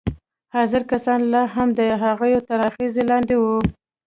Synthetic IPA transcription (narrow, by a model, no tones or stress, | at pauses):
hɑzɪɾkasɑnlɑɦamd̪əɦaɣəjot̪aɾɑxizelɑnd̪ewu